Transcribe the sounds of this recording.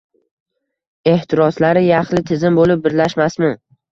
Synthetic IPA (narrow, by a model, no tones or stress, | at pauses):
e̞ht̪ʰɪɾɒslaɾɪjɑχlɪt̪ʰɪzɪmbolɪp̚bɪɾlaʃmasmɪn